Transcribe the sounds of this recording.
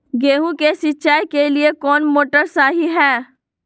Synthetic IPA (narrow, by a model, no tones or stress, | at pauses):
ɡeːɦũkesɪtːʃaːikeliekɔːnmoːʈəɾsaːɦiɦɛː